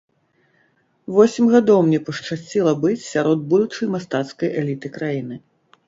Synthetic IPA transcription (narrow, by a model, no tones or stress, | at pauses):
vɔsʲimʲɣad̪ɔwmnʲɛpɐʂt͡ʂasʲt͡sʲilˠɐbɨt͡sʲsʲaɾɔd̪̚bud̪ut͡ʂɐjmast̪at̪skɐjʔɛlʲit̪ɨkɾajinɨ